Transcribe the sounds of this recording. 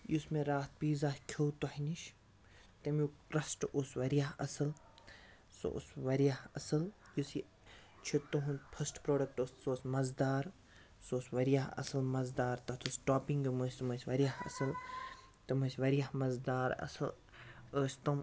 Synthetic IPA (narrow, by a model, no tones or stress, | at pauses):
jusmeɾaːt̪̚piːzaːskʲʰowt̪ohiniʃ | t̪ɐmjuʈɾɐsʈosʋɐɾijaɦɐsɨl | so̰sʋɐɾijahɐsɨljusi | t͡ʃʰit̪ːuɦunpʰɐsʈpɾoːɖɐk̚ʈossoːsmɐzd̪aːɾ | soːsʋɐɾjaɦɐ̰sɨlmɐzd̪aːɾt̪ɐt̪ʰusʈaːpĩŋɡimɨsʲt̪ɐməsʲʋɐɾijahɐ̰sɨl | t̪ɐmɨsʲʋɐɾijahmɐzd̪aːɾɐ̰sɨl | əːsʲt̪om